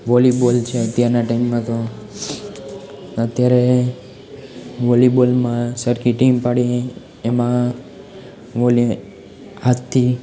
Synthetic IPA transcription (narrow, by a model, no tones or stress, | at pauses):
ʋɔlibolt͡ʃʰeət̪jaɾnaʈaimːãt̪o | ət̪jaɾe | ʋɔlibolmãsəɾkiʈimpaɽie | emã | ʋɔl | hat̪ʰːi